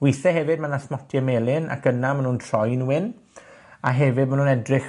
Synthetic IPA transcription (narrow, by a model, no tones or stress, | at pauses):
wɪθɛɦɛvɪd̚manasmɔtʰjɛmeːlˠɪna̰kənamanuːntʰr̥ɔjnuwɪn | aɦɛvɪd̚manuːnɛdrɪχ